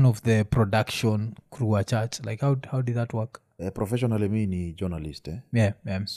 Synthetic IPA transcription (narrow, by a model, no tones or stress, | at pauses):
nɔvðəpɹɔdakʃɔ̃nkʰɹuat͡ʃat͡ʃla̰ɪkhawhaʊdid̪̚ðatwək | ɛpɾɔfɛʃɔnaliminid͡ʒənalistɛjɛjɛm